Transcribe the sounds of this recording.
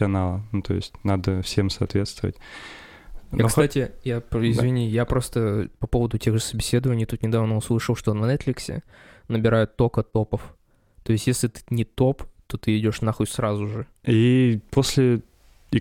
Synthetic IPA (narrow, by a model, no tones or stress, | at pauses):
ɐnalˠənut̪o̞̰jɪ̰sʲtʲnad̪əfsʲemsɐːt̪vʲe̞t̪st̪vəvə̰tʲ | aksatʲɪjapɪzvʲɪnʲijapɾo̞st̪əpɐpo̞vəd̪ʊtʲe̞ɣʐɨsəbʲɪsʲe̞d̪əvənʲɪjt̪ut̪nʲɪd̪avnoʊslˠɨʂəlˠʂt̪onvnɛt̪flʲɪksʲɪ̰nəbʲɪɾajʊt̪ːo̞kət̪o̞pəf | t̪o̞jɪsʲt̪ʲjesʲlʲɪt̪ɨ̥nʲɪt̪o̞pt̪o̞t̪ɨɪdʲo̞ʂnaxotʲsrazʊʐɨipo̞sʲlʲɪ